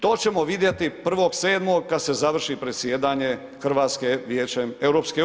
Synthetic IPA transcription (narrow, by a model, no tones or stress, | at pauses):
t̪o̞ːt͡ɕe̞mo̞ʋid̪jet̪ipr̩ʋo̞ɡse̞ːd̪mo̞ɡkːad̪se̞zaʋr̩ʃipɾe̞t̪sʲjeːd̪aːɲe̞ | xr̩ʋaːt̪skeʋjeːt͡ɕemewɾopske